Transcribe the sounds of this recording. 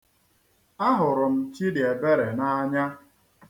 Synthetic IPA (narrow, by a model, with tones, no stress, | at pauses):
a˦ɦʊ˨ɾʊ˨m̩˦t͡ʃi˦dɪ˨e˨be˦ɾe˨na˦a˦ɲa˦